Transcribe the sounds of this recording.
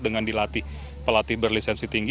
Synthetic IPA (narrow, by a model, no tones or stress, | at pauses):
dəŋandilat̪ɪh | pəlat̪ɪhbərlisɛnsit̪iŋɡ